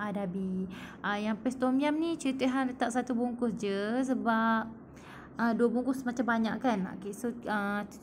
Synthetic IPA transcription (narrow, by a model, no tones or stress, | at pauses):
adabiʔəjaŋpɛst̪omiamnĩt͡ʃəɾit̪əɦanlət̪aʔ̚sat̪ubuŋkʊsd͡ʒəs̬əbap̚ | əduwabuŋkʊsmat͡ʃambaɲa̰ʔkano̰kesoə